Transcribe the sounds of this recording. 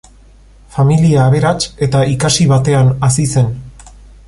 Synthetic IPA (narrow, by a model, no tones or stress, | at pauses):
familiaːβ̞e̞ɾat͡ʃe̞t̪aikasiβ̞at̪e̞anasise̞n